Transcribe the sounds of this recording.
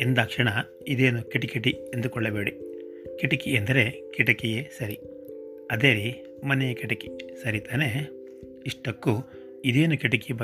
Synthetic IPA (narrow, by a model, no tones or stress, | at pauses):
end̪aːkʂɐɳɐ | id̪eːnukeʈikeʈiend̪ukɔɭːɐbe̞ːɽi | kɛʈɐkiend̪ɐɾe̞ | kɛʈɐkɛjesɐɾi | ɐd̪eːɾi | mɐnɛjɐkɛʈɐki̥sɐɾit̪aːne | iʂʈɐkːu | id̪e̞ːnukɛʈɐkibɐ